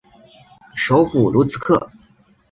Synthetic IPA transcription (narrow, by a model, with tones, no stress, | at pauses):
ʂo˧˥ʊfu˨˩lu˧˥t͡sʰɹ̩˧kʰɤ̰˥˩